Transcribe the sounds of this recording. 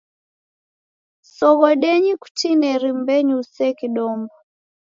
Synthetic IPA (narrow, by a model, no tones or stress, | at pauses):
sɔɣɔɗɛɲiku̥tʰinɛɾimbɛɲusɛkiɗɔmbɔ